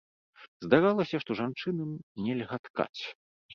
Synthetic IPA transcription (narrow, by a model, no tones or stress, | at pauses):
zd̪aɾalˠɐsʲɐʂt̪ɔʐant͡ʂɨnɐmnʲɛlʲɣat̪ka̰t͡sʲ